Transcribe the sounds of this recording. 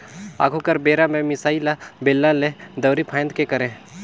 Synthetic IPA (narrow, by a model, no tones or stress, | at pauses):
a̰ːɡʰʱukəɾbeːɾamẽmɪsaːilabelːãled̪ɐwɾipʰaj̃nd̪̚kekɐɾẽː